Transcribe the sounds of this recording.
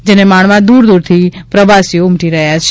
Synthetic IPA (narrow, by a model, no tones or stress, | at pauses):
d͡ʒenemaɳ̃mãd̪uɾd̪uɾt̪ʰipɾəʋasijoumʈiɾəɦjat͡ʃʰ